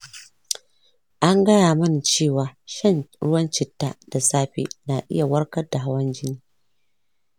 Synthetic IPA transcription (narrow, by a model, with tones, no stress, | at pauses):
ʔa˦ŋɡɐ˦jaː˨mɐ˦n˨t͡ʃeː˦˨waː˨ʃɐ˦˨nɽʊ̰˦wɐ˦nt͡ʃɪ˨tːa̰ː˨d̥a˨saː˦ɸḛ˨na˨ʔɪ̰˦ja˨wɐ˦ɽkɐ˦da˨ɦa˦wɐ˦nd͡ʒɪ˦niː˦